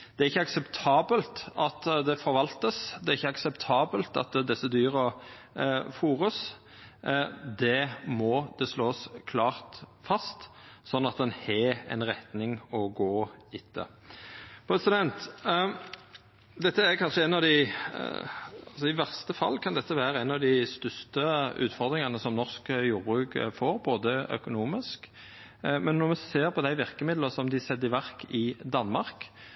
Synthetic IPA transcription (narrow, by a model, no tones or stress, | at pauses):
d̪̥ɛæɾɪçːəɑksɛpt̪ʰɑːbəlt̪ɑt̪d̪ɛfɔɾʋɑlt̪əsd̪ɛɾɪçːəɑksɛpt̪ʰɑːbəlt̪ɑ̰t̪d̪ɛsːəd̪yːɾə | fuːʁəs | d̪ɛmɔd̪̥ɛsloːskʰlɑːʁt̪fɑst̪sɔnːɑt̪d̪ɛnhɛɛ̰nʁɛt̪nɪŋɔɡoːɪt̪ʰːə̰ | pʰɾɛsɪd̪ɛnt̪ | d̪ɛt̪ːəæɾkʰɑnʂəɛnɑʋd̪ɪ | ɑlsɔɪʋæʁst̪əfɑ̰lːkʰɑnd̪ɛt̪ːəʋæːɾəænɑʋd̪ɪst̪ʏst̪əʉ̰ːt̪fɔʁd̪ɾɪŋɑnəsɔmnɔʁskjuːɾbʉːɡfoːɾboːd̪əœ̰kʊnuːmɪsk | mɛnːɔʁmɛseːʁpʰɔd̪æɪʋɪʁkəmɪd̪ləsɔmd̪ɪsɛd̪ɪʋæʁkɪd̪ɑnmɑɾk